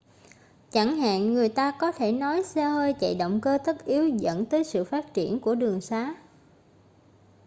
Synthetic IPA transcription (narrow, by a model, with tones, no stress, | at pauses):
t͡ɕa˧˩ŋɦa̰ː˧˨nːɨ˨˩əjt̪aː˧kɔ˨˦t̪ʰe˧˩nɔ˨˦jsɛ˧whəː˧jt͡ɕə̰˧˨jɗə̰˧˨wŋ͡mkəː˧t̪ə˦˥t̚ʔi˨˦əwzə̰˧˥nt̪əː˨˦jsɨ̰˧˨faː˦˥t̚t͡ɕi˧˩ənku˧˩əɗɨ˨˩əŋsaː˨˦